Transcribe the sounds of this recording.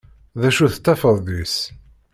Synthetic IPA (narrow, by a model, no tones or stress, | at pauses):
ðæʃuθə̥t̪ːæfəðˤðis